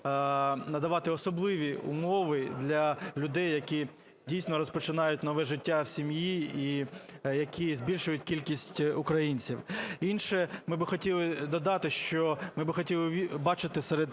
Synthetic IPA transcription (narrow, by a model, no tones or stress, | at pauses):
nɐd̪ɐʋɑt̪ɪɔsɔblˠɪʋʲiʊ̰mɔʋɪd̪lʲɐlʲʊd̪ɛjːɐkʲi | dʲijsnɔɾɔspɔt͡ʃɪnɑjʊt̚ʲnɔʋɛʒɪtʲːawsʲimjiijɐkʲʰizʲbʲilʲʃʊjʊt̚ʲkʲilʲkʲisʲtʲʊkɾɐjinʲt͡sʲiwinʃɛmɪbɪxɔtʲilˠɪd̪ɔd̪ɑt̪ɪʃt͡ʃɔmɪbɪxɔtʲilˠɪbɑt͡ʃɪt̪ɪsɛɾed̪